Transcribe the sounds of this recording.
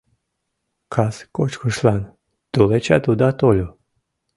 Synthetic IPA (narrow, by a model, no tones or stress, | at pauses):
kʰaskot͡ʃkuʃlˠan | d̪̥ulet͡ʃat̪ud̪at̪olʲu